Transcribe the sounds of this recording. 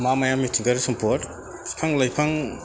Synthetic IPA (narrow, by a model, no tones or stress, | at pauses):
mamajamːitʰiŋkaɾisɔmpʰoɾt | pʰaŋlajpʰaŋ